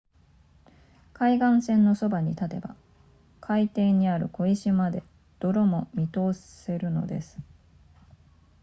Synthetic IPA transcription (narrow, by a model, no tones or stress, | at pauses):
kaiɡãɰ̃sẽ̞nːo̞so̞baɲ̟it̪at̪e̞ba̰ | kʰait̪e̞ɲ̟ːiaɾɯ̟̰ko̞iɕimad̪e̞ | d̪̥o̞ɾo̞mo̞mʲit̪o̞ːsse̞ɾɯ̟no̞̰d̪e̞̰sɨ̥